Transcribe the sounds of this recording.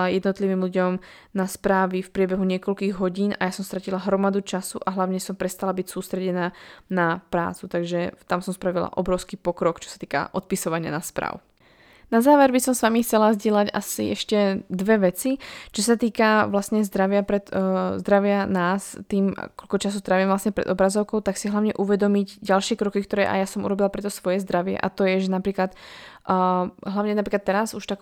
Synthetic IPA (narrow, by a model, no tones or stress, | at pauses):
ajɛd̪nɔt̪liʋiːmʎuɟɔm | naspɾaːʋifpɾɪɛbɛɦuɲɪɛkɔʎkiːɣɦɔɟiːnʔajasɔmst̪ɾacilaɦɾɔmad̪ut͡ʃasuʔaɦlaʊɲɛsɔmpɾɛst̪alabicsuːst̪ɾɛɟɛnaːnapɾa̰ːt͡sut̪aɡʒɛt̪amsɔmspɾaʋila̰ʔɔbɾɔʊskipɔkɾɔkt͡ʃɔ̥sḁt̪iːka̰ʔɔt̪̚pisɔʋaɲɪa̰naspɾa̰ːʊ | nazaːʋɛɾbisɔmsʋamixt͡sɛlazɟɪɛlaɟa̰sḭɛʃcɛd̪ʋɛʋɛt͡sit͡ʃɔsat̪iːkaʋlasɲɛzd̪ɾaʋɪapɾɛt̪zd̪ɾaʋɪanaːst̪iːmkɔlkɔt͡ʃasut̪ɾaʋiːmʋlasɲɛpɾɛ̰d̪ɔbɾazɔʊkɔʊt̪aksiɦlaʊɲɛʔuʋɛd̪ɔmiɟɟalʃɪɛkɾɔkikt̪ɔɾɛ̰ːʔa̰jasɔmʔṵɾɔbilapɾɛt̪ɔsʋɔjɛzd̪ɾaʋɪɛ̰ʔa̰t̪ɔjɛʒɛnapɾiːklat̪ː | ɦlaʊɲɛnap̬ɾiːklat̪ːɛɾasuʃt̪ak